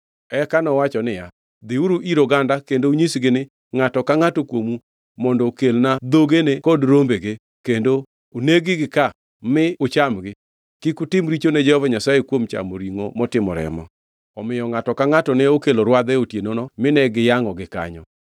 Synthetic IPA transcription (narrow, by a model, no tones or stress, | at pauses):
ɛkanɔwat͡ʃɔnɪja | d̪ɪuɾuʔiɾoɡandakendouɲisɡɪnɪ | ŋatɔkaŋatokwomu | mɔndɔkelnad̪oɡenekɔdɾombeɡe | kendo | oneɡɪɡɪka | mɪʊt͡ʃamɡɪ | kikʊtɪmɾit͡ʃonɛd͡ʒɛhɔvaɲasajekwomt͡ʃa̰moɾiŋomɔtɪmɔɾɛ̰mɔ̰ | ɔmɪjɔŋatɔkaŋatɔnɛokeloɾwad̪ɛotjenonɔmɪnɛɡɪjaŋɔɡɪka̰ɲɔ̰